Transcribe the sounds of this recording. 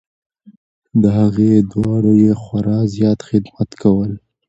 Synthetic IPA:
d̪əɦaɣed̪wɑɽojexwaɾɑzjɑt̪xɪd̪mat̪kawəl

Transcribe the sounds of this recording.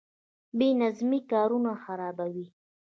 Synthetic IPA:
benazmikɑːɾunaxaɾɑbawi

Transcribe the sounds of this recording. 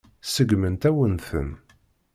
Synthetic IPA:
səɡmənt̪æwənθə̰n

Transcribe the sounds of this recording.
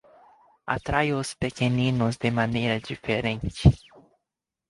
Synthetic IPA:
a̰t̪ɾajospekenĩnʊzd̪emanejɾɐd͡ʒifeɾẽnt͡ʃɪ

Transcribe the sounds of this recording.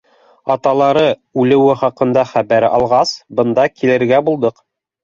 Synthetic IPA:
ɑt̪ɑlˠɑɾɤʉlɘ̆wɘχɑqɤ̆nd̪ɑχæβæɾɑ̰lˠʁɑsbɤ̆nd̪ɑkilɘ̆ɾɡæbulˠd̪ɤq

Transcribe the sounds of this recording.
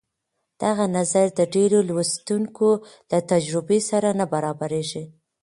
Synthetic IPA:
d̪̥aɣanazaɾd̪əɖeɾolwast̪uŋkolat̪ad͡ʒɾʊbesaɾanabaɾɑbaɾeʒi

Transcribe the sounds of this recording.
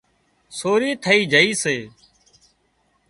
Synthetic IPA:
soːɾiːt̪ʰəiːd͡ʒʱəiːseː

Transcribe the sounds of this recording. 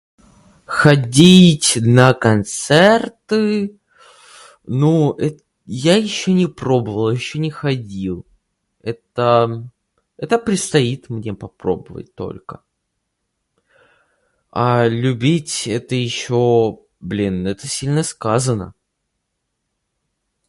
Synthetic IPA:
xɐdʲitʲnəkɐnt̪sɛrt̪ɨ | nuɛ | jajɪɕːonʲɪpɾo̞bəvəlˠjɪɕːonʲɪxɐdʲilˠ | ɛt̪ə | ɛt̪əpɾʲɪt̪st̪ɐit̪mnʲepɐpɾo̞̰bəvə̰t̚ʲt̪o̞̰lʲkə | alʲʉbʲitʲɛt̪əjɪɕːo | blʲinɛt̪əsʲilʲnəskazənə̰

